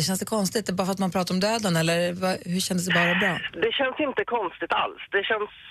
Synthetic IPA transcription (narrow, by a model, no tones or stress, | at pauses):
ɛʃ̬çɛnsd̪ɛkʰɔnst̪ɪt̪ɛbɑːɾafəɾat̪manpʰɾɑːt̪aɾɔmd̪øːd̪ənɛlːəɾvaɦɵɕɛnd̪əsd̪ɛbɑːɾabɾɑːd̪ɛɕɛnːsɪnt̪əkʰɔnst̪ɪt̪a̰lsd̪ɛɕɛns